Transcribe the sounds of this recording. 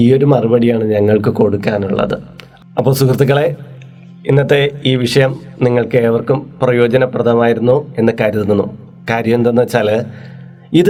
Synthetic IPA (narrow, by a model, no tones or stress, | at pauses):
iːo̞ɾumɐrubɐɽijaːɳɨɲɐŋːɐɭkɨko̞ɽukːaːnuɭːɐ̰ðɨ̰ | ɐpːo̞ːɭsukrɐt̪ːiɣɐɭe̞ | inːɐt̪ːe̞iːʋiʂɐjɐm | niŋːɐɭkɨeːʋɐrkumprɐjo̞ːd͡ʑɐnɐprɐd̪ʰʱɐmaːjiɾunːue̞nːɐkaːɾjɐt̪ːunːunːu | kaːɾjɐmmt̪onːɐʋɐt͡ɕːaːl | iðɨ